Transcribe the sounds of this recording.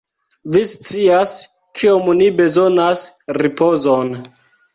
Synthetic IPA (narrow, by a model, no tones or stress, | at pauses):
vist͡sias | kʰiomnibe̞zo̞nasripo̞zon